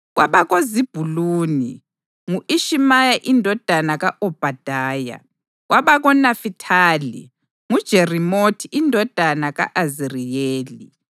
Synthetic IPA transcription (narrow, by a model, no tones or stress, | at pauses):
ɣwaβaɣozib̥ʱuluːni | ŋuʔiʃimajaʔindʱɔd̥ʱanaɣaʔɔb̥ʱad̥ʱaːja̰ | ɣwaβaɣɔnafitʰaːlḭ | ŋud̥ʒ̥ʱerimotʰiʔindʱɔd̥ʱanaɣa̰ʔazirijeːli